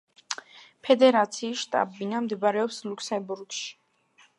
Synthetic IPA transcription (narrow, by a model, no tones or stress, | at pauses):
pʰɛd̪ɛɾat̪sʰiːsʃt̪ʼa̰binamd̪ɛbaɾɛɔpsluksɛmbuɾɡʃi̥